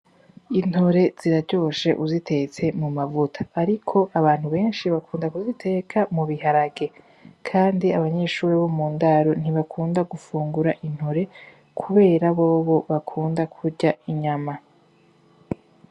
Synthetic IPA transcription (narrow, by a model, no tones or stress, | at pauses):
in̥hoɾe̞z̥iɾaɾɟo̞ʃe̞ʔuzite̞t͡se̞mumavutʰḁːɾikʰo̞ʔaβaːn̥huβe̞ːnʃiβakʰuːndakuzitʰe̞ːkʰamuβihaɾaɡe̞ | kʰaːndiaβaɲe̞ʃuːɾiβo̞muːndaɾo̞n̥iβakʰuːndaɡufuːŋɡuɾaʔin̥hoɾe̞ | kʰuβe̞ːɾaβo̞ːβo̞βakʰuːndakʰuɾɟaiɲama